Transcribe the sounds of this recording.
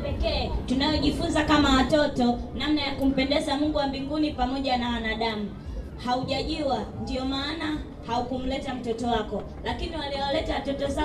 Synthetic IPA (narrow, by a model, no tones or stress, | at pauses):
pɛkɛːtunajɔʄifunzakamawatɔtɔnamnajakum̩pɛndɛzamuŋɡuwambiŋɡunipamɔʄanawanaɗamu | hauʄaʄuwandiɔmaːna | haukum̩lɛtam̩tɔtɔwakɔ | lakiniwaliɔwalɛtawatɔtɔza